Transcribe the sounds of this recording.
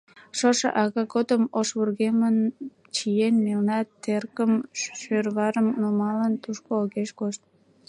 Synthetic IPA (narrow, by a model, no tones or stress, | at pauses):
ʃoʃḛʔɑɣɑkod̪əmoʃβurɣemən | t͡ɕijenmelnɑt̪ːerkəmʃørβɑɾəmnumɑlənt̪uʃkoːɣeʃkoʃt̪̚